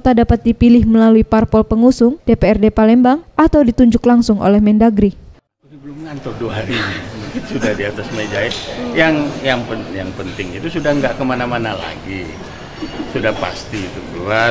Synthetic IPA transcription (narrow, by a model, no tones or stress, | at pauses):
kt̪adapat̪̚dipilɪhməlaluiparpɔlpəŋusʊŋd̥epeɛrdepalɛmbaŋʔat̪awdit̪uɲd͡ʒʊklaŋsʊŋʔo̰lɛhmɛndaɡɾi | ubəlʊmŋant̪ɔduaɦaɾinibukɪt̪sudahdiat̪asmed͡ʒaɛjaŋjaŋpəjaŋpənt̪ɪŋit̪usudahŋɡaʔkəmanamanala̰ɡi | sudahpa̰st̪iit̪ukəlua